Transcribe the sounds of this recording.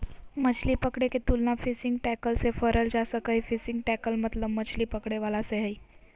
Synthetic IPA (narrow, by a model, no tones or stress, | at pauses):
mət͡ʃʰlipəkɽeket̪ulnafɪsɪ̃ŋɡʈɛkəlsefəɾəld͡ʒasəkəifɪsɪ̃ŋɡ̚ʈɛkəlmət̪ləbmət͡ʃʰlipəkɽeʋalaseɦəi